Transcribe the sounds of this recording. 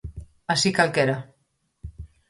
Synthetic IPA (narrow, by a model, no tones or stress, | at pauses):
asikalkeɾa